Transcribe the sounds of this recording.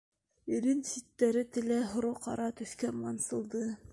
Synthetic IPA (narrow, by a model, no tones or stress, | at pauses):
iɾinsit̪ːæɾɘt̪ɘ̆læɦŏɾoqɑɾɑt̪ɵ̆θkæmɑnsɤ̆lˠd̪ɤ